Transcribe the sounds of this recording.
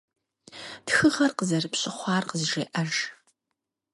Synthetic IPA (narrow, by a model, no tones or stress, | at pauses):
txɨʁɐrqəzɐrɨpɕʼɪχʷɑːrqəzɨʒeːʔɐʒ